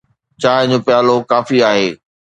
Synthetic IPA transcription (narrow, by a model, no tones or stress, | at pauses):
t͡ɕaːɦɪ̃d͡ʑõːpjaːlokaːfiaːɦeː